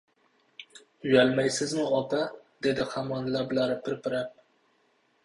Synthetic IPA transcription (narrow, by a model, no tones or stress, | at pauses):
ʊjalmajsɪzmʊɒpʰad̪e̞d̪ɪχamɒnlabɪlaɾɪpʰɪɾpʰɪɾap̚